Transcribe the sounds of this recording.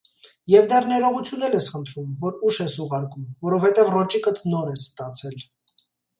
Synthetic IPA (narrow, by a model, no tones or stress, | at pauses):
jɛvd̪ɛrnɛɾɔʁut͡sʰjunːɛlɛsχənt̪ʰɾumvɔɾuʃɛsuʁɑɾkumvɔɾɔvhɛt̪ɛvrɔt͡ʃikət̪nɔɾɛst̪ɑt͡sʰɛl